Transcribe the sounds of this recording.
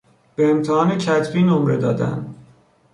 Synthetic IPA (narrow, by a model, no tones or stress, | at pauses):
b̥eemt̪ʰehɒːnecʰæt̪biːnomɾed̪ɒːd̪æ̰nd̪